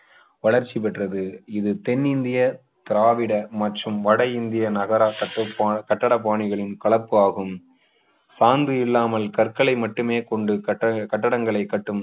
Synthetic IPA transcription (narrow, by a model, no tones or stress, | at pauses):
ʋɐɭɐɾt͡ʃːip̬ɛʈrɐðɯɪðɯt̪ɛnːɪnd̪ɪjɐ | t̪ɪɾaːʋɪɽɐmɐʈrɯmʋɐɽɐjɪnd̪ɪjɐnɐɣɐɾaːkɐʈːɐpːkɐʈːɐɽɐp̬ːaːɳɪɣɐɭɪnkɐɭɐpːɯaːɣɯm | saːnd̪ɯɪlːaːmɐlkɐɾkɐɭɐɪmɐʈːɯmeːkɔɳɖɯɐkɐʈːɐɽɐŋɡɐɭɐɪkːɐʈːɯm